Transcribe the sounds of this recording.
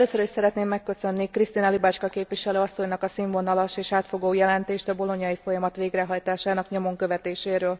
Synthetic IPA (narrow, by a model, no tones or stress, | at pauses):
løːsøɾiʃsɛɾɛt̪neːmːɛkːø̞sø̞nːikrist̪inɒlibaːt͡ʃkɒkeːpʋiʃɛløːɒsːo̞ɲnɒkɒsiɱvo̞nɒlɒʃeːʃaːt̪fo̞ɡoːjɛlɛnt̪eːʃt̪ɒbo̞lo̞ɲjɒjifo̞jɒmɒt̪ʋeːɡrɛɦɒjt̪aːʃaːnɒkɲo̞mo̞ŋkø̞vɛt̪eːʃeːɾøːl